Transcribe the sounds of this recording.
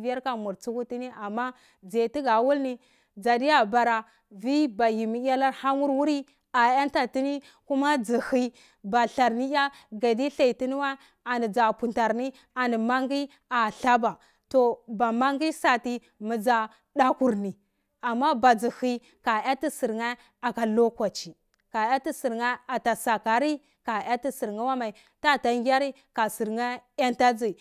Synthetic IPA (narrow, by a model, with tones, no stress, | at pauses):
vi˦ja˦ɾka˨mu˨ɾt͡su˦ku˦ti˦ni˦a˨mːa˦ | d͡ze˨ti˦ɡa˨wu˦lni˦ | d͡za˨di˦ja˨ba˨ɾa˨ | vi˦ba˨ji˨mi˦a˦la˦ɾha˦mu˦ɾwu˦ɾi˦ | a˨ja˦nta˨ti˦ni˦ | ku˦ma˦d͡zi˨hi˦ | ba˨ɬa˨ɾni˦ja˦ɡa˨di˦ɬa˨i˨ti˦ni˦wa˦ | a˨ni˨d͡za˨pu˨nta˨ɾni˦ | a˨ni˨ma˦ŋ˦ɡi˦ | a˨ɬa˦ba˨ | to˨ba˨ma˦ŋɡi˦sa˨ti˦ | mi˨d͡za˨ | ɗa˦ku˦ɾni˨ | a˨mːa˦ba˨d͡zi˨hi˦ | ka˨ja˦ti˦si˨ɾŋa˦ | a˨ka˨lo˦kwa˨t͡ʃi˨ | ka˨ja˦ti˦si˨ɾŋa˦a˨ta˨sa˨ka˨ɾi˦ | ka˨ja˦ti˦si˨ɾŋa˦wa˦ma˨i˨ | ta˦˨ta˨ŋɡʲa˦ɾi˦ | ka˨si˨ɾŋa˦a˦nta˦d͡zi˨